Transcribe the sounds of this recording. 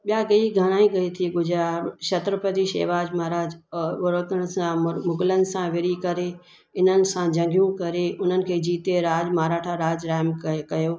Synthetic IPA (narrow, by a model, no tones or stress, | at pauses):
ɓijakɐiɡʱɐɽ̃aːĩɡɐit̪ʰiɡʊd͡ʑʱɾaʃɐt̪ɾəpɐt̪iʃḛːʋaːd͡ʑmaːɾaːd͡ʑʋʊɾəkəɽ̃sãmʊɡɪlənɪ̆sãʋɪɾikɐɾe | ɪn̤ənɪ̆sãd͡ʑɐ̃ŋɡʱijũkɐɾeʔʊn̤ənɪ̆kʰeːd͡ʑiːt̪eɾaːd͡ʑmaːɾaːʈʰaɾaːd͡ʑɾaːɦɪmkkɐjoː